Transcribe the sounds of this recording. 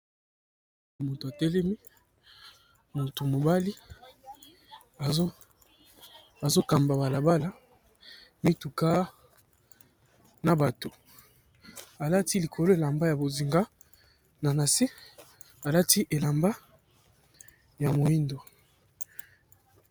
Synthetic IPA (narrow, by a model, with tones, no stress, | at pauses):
mo˨to˨a˨tɛ˦lɛ˦mi˦ | mo˨to˨mo˨ba˦li˦ | a˨˦ | a˨zo˦ka˨mba˨ba˨la˨ba˦la˦ | mi˦tu˨ka˦ | na˨ba˨to˨ | a˨la˦ti˦li˨kʰo˨lo˦e˨la˨mba˦ja˨bo˨zi˨ŋɡa˦ | na˨na˨si˦ | a˨la˦ti˦ʔe˨la˨mba˦ | ja˨mo˨i˦ndo˨